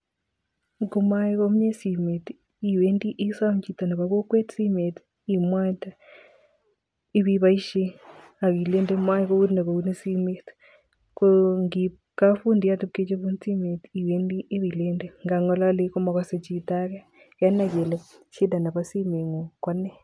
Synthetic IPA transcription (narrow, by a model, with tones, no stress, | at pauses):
ku˨ma˦i˦ko˦m˦ɲe˦si˨me˨t | i˨we˦ndi˦ʔi˦sa˦m˨t͡ʃi˨ta˨na˨βa˨ko˦kwe˦tsi˦me˨t | i˨mwa˦ta˦ | i˦βi˦βa˦i˦ʃe˦ | a˨ki˨le˦ndɛ˦ma˦i˦ko˦u˦dna˨ko˨u˦ne˦si˦me˦t | koŋɡi | ka˦fu˦ndi˨ja˦tu˦ke˦t͡ʃe˦βu˦nt͡si˦me˨ti˨we˦ndi˦ʔːβi˨le˦ndɛ˦ŋɡa˨ŋɔ˦la˦le˦ku˦ma˨kwa˦se˨t͡ʃi˨ta˦ka˦ | ka˦na˨kɛ˨lɛ˨ʃi˦da˨na˨βa˦si˦me˨ŋɔ˨kwa˦nɛ˦